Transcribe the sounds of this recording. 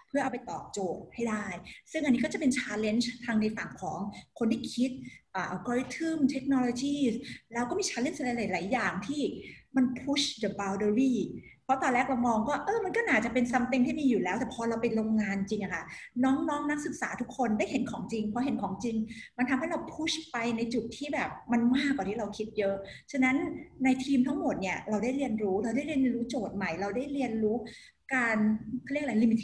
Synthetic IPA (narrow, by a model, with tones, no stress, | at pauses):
pʰɯ˥˩ɐʔa˧wp̬a˧jt̪ɔ̰ː˨˩k̚t͡ɕoː˨˩t̚ha˥˩jdaː˥˩jsɯ˥˩ŋʔa˧nːi˦˥kɔ˥˩t͡ɕa˨˩pe˧nt͡ɕʰaː˧˥le˦˥nt͡ɕt̪ʰaː˧ŋna˧jfa˨˩ŋkʰɔː˩˦ŋkʰo˧nt̪ʰiː˥˩kʰi˦˥t̪̚ʔaː˨˩ʔa˧˩kɔː˧i˦˥t̪ʰɯ˥˩mt̪ʰe˦˥k̚nɔ˧loː˧t͡ɕiː˥˩slɛː˦˥wkɔː˥˩miː˧t͡ɕʰaː˧le˦˥˩n˧la˨˧˦la˨˩˦jlaː˩˦jːaː˨˩ŋt̪ʰiː˥˩ma˧npʰu˦˥ɕdə˧˩baː˧wdə˧ɾiː˥˩ | pʰɔ˦˥t̪ɔː˧nlɛː˥˩kɾa˧wmɔː˧ŋkɔː˥˩ʔɤː˧˩ma˧nkɔː˥˩naː˨˩t͡ɕa˨˩pe˧nsa˧mt̪e˧ŋt̪ʰiː˥˩miː˧juː˨˩lɛː˦wt̪ɛː˨˩pʰɔː˧ɾa˧wpa˧jɾo˧ŋŋaː˧nt͡ɕi˧ŋʔa˨˩kʰa˥˩nɔː˦˥ŋnɔː˦˥ŋna˦˥k̚sɯ˨˩k̚saː˩˦t̪ʰu˦˥kʰːo˧ndaː˥˩jɦe˩˦nkʰɔː˩˦ŋt͡ɕi˧ŋpʰɾɔ˦˥ɦe˨˩˦nkʰɔː˩˦ŋt͡ɕi˧ŋma˧nt̪ʰa˧mha˥˩ɾa˧wpʰu˦˥ɕpa˧jna˧jt͡ɕu˨˩t̪ʰːiː˥˩bɛː˨˩p̚ma˧nmaː˥˩kːa˨˩iː˥˩ɾa˧wkʰi˦˥t̪̚jɤ˦˥ʔt͡ɕʰa˧na˦˥nːa˧jt̪ʰiː˧mt̪ʰa˦˥ŋmo˨˩t̪̚ni˥˩ɐɾa˧wdaː˥˩jɾi˧ənɾuː˦˥ɾa˧wda˥˩jɾi˧ən˧nɾuː˦˥t͡ɕoː˨˩t̪̚ma˨˩jɾa˧wdaː˥˩jɾi˧ənɾuː˦˥ | kaː˧nkʰːli˥˩k̚la˧˩li˧mi˧˩t̪ʰ